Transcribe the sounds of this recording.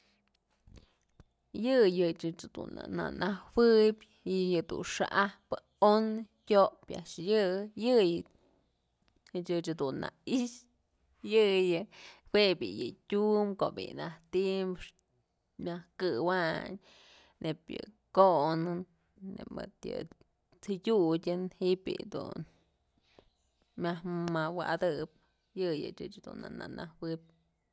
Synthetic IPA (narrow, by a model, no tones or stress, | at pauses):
jɨjɨt͡ʃɨt͡ʃd̪ṵna̰na̰nahwɨbʲ | jɨd̪ṵnʂaʔahpɨ | on | tʲoʔpa̰ʔʂjɨjɨj | t͡ʃɨt͡ʃad̪unːa̰iʃ | jɨjɨwebʲḭjɨtʲumko̰ʔbḭnaht̪impʂ | mʲahkɨwaɲ | nepjɨ | koʔnɨnː | emɨt̪jɨ | t͡sɨdʲudʲɨnhiʔbʲḭd̪ṵn | mʲahmawa̰d̪ɨp̚ | jɨjɨt͡ʃɨt͡ʃhad̪ṵna̰na̰nahwɨp̚